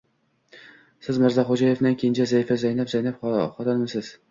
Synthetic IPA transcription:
sɪzmɪɾzɑχod͡ʒɑjevnankʲʰejɪnt͡ʃʰɛzaifazajnapzajnapχɒt̪ʰɑnmɪsɪz̥

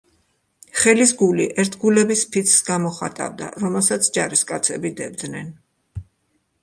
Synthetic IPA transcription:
χɛlis̬ɡuliʔɛɾt̪ʰɡulɛbispʰit̪sʰsɡamɔχa̰t̪ʼa̰vd̪a̰ɾɔmɛlˠsat̪sʰd͡ʒaɾiskʼat̪sʰɛbid̪ɛbd̪nɛn

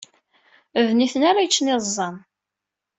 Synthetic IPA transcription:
vniθənaɾajt͡ʃːnɪzˤːɑn

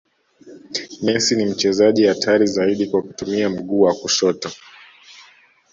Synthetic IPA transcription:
mɛsinim̩t͡ʃɛzaʄihatʰaɾizaiɗikwaku̥tumiam̩ɠuːwakuʃɔtɔ

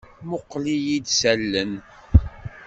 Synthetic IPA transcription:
mʊqːlijid̪sælːən

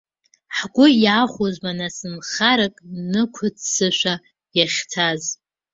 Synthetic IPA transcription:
ħɡʷʊjaχʷozmanasɨnχaɾakʼnɨkʷʰʊt͡ssɨʃʷᶣa | jaχʲtʰaz

